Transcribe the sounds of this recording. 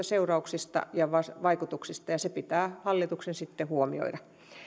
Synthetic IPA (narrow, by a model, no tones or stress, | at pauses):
ɑseurɑuksist̪ɑ̰jɑʋɑsʋɑikut̪uksist̪ɑjɑsepit̪æːhɑlːit̪uksensit̪ːehuomḭo̰iɾɑ